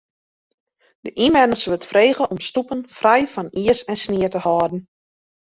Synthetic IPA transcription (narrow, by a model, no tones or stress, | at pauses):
dəʔimɛnəsʋɵtfreːɣəʔɔmstupənfrɛjfɔniəsɛnsniətəhɔːdn̩